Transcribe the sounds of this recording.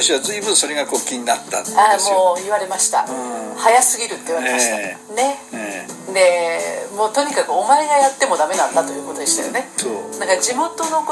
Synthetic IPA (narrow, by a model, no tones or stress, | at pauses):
t̪aɕiβazɨibɯ̟̃ɰ̃so̞ɾe̞ɡakokʲːiɲ̟inat̪ːa̰amo̞ːiβaɾe̞maɕi̥t̪a̰hajasɨɡʲiɾɯ̟t̪ːeiɯβaɾemaɕi̥t̪ane̞ | d̪e̞mo̞ːt̪o̞ɲ̟ikakɯ̟o̞maeɡajat̪ːe̞mo̞d̪ame̞nant̪ːat̪o̞jɯ̟ːko̞t̪o̞d̪e̞ɕi̥t̪a̰jo̰ne̞onãŋkad͡ʑimo̞t̪o̞no̞k